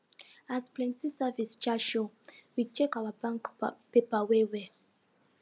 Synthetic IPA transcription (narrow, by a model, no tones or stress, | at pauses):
asplɛ̃ntisavist͡ʃaʃowit͡ʃɛkawabãŋkpepawewɛ